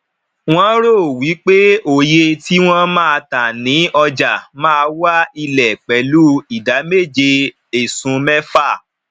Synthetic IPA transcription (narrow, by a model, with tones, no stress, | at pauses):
w̃ɔ̃˦ɾo˦˨wi˨˦k͡pe˦o˨je˧ti˦w̃ɔ̃˦mã˦a˧ta˨nĩ˨˦ɔ˧d͡ʒa˨mãː˦˧wa˦i˧lɛ˨k͡pɛ˨˦lu˦i˨da˨˦me˦˨d͡ʒe˧ | e˨sũ˨˧mɛ˦fa˦˨